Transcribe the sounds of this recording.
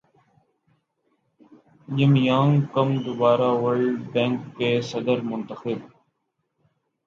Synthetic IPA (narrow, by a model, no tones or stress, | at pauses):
jɪmjãːŋkɐmd̪ʊbaːɾaːʋəɾɭɖbẽːŋkːeːsɐd̪əɾmʊnt̪əxɪb